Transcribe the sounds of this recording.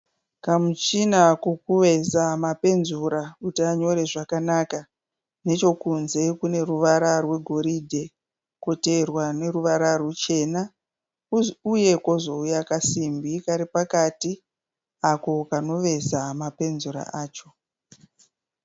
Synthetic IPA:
kamut͡ʃinakokuʋe̞zamape̞nzuɾakutiaɲo̞ɾe̞ʐakanaka | ne̞t͡ʃo̞kunze̞kune̞ruʋaɾarwe̞ɡʱo̞ɾidʱe̞ | ko̞te̞rwane̞ruʋaɾarwut͡ʃe̞ːna | uje̞kozo̞ujakasimbʱikaɾipakati | ako̞kano̞ʋe̞zamape̞nzuɾa̰ʔaːt͡ʃo̞

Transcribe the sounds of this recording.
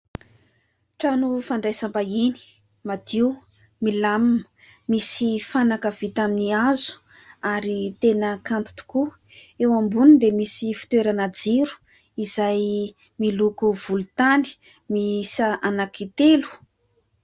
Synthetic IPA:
ʈ͡ʂanufaɳɖ͡ʐajsambaini̥ | mad̪iw | milammə | misifanakəv̥it̪aminiazu̥ | aɾit̪enəkant̪u̥t̪u̥ku | ewambunid̪emisifi̥t̪weɾanad͡ziɾu̥ | izaj | milukuv̥ulut̪ani̥ | misaʔanakit̪elu̥

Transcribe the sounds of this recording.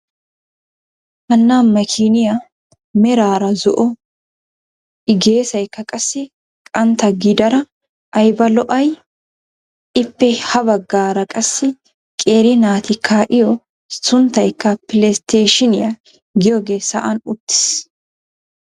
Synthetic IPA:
ʔɐnːaːmmːɐkʰinɪja | mɛɾaːɾɐzɔʔɔ | ʔɪɡe̞ːsɐjkːɐkʼɐsːɪ | kʼɐnt̪ɐɡid̪ɐɾɐ | ɐjbɐlɔʔɐj | ɪpːɛhɐbɐɡːaːɾɐkʼɐsːɪ | kʼe̞ːɾɪnaːt̪ɪkʰːaːʔɪjɔ | sʊnt̪ɐjkːɐpɪlɛst̪eːʃɪnɪjɐ | ɡɪjɔɡe̞ːsɐ̰ʔɐnʊt̪ːɪ̥s

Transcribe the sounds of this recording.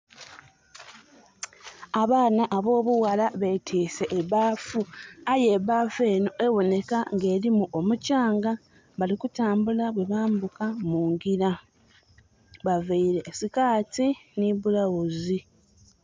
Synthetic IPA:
aβaːnaʔːβo̞ːβuwalaβe̞tʰiːse̞ʔːβaːfuaje̞βafe̞ːno̞ʔe̞wo̞ne̞kaŋɡe̞ːɾimuʔo̞mucaːŋɡa | βalikutaːmbulaβwe̞βaːmbukamuːŋɡiɾa | βaveiɾe̞ːsikaːtiniβulawuzi

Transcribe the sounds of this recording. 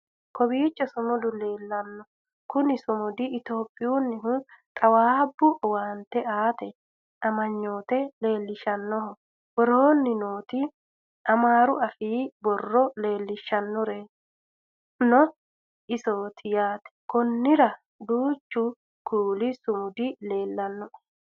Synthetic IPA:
kɔbiːt͡ʃʼːɛsʊmʊd̪ʊle̞ːlːɐnːɔ | kʊnɪsʊmʊd̪ɪɪt̪o̞ːpʼːɪjuːnːɪɦʊt̪ʼɐwaːbːʊwaːnt̪ːɛʔaːt̪ɛ | ʔɐmɐɲːo̞ːt̪ɛle̞ːlːɪʃɐnːɔɦɔ | wɔɾoːnːɪnoːt̪ɪ | ʔɐmaːɾʊʔɐfiːbɔrːɔle̞ːlːɪʃːɐnːɔɾe | nɔ | ʔɪsoːt̪ʰɪjaːt̪ɛ̥kɔnːɪɾɐ | d̪uːt͡ʃːʊ | kʰuːlɪsʊmʊd̪ɪle̞ːlːɐnːɔʔ

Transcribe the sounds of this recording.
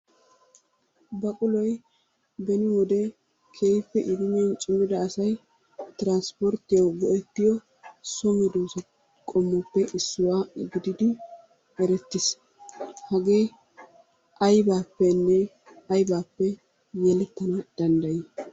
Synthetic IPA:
bɐkʼʊlɔj | bɛnɪwɔd̪ɛ | kʰeːjpːɛʔɪd̪ʊmɛnt͡ʃʼʊmːɪd̪ɐːsɐj | t̪ɾanspɔɾt̪ːɪjɐwɡɔʔɛt̪ːɪjɔ | sɔmɛd̪uːsɔ | kʼɔmːɔpːɛʔɪsːʊwaːɡɪd̪ɪd̪ɪ | ɛɾɛt̪ːɪs | hɐɡeː | ʔɐjbaːpːɛnːɛ | ɐjbaːpːɛ | jɛlɛt̪ːɐnɐd̪̥ɐnd̪ɐjɛ

